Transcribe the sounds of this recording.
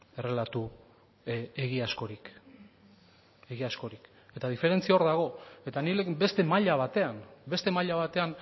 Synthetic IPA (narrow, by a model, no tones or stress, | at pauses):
e̞relat̪u | eɣiasko̞ɾik | e̞ɣiasko̞ɾik | e̞t̪aðife̞ɾe̞nt͡siaoɾðaɣ̞o̞e̞t̪anilekbe̞st̪e̞maʎaβ̞at̪e̞anbe̞st̪e̞maʎaβat̪e̞an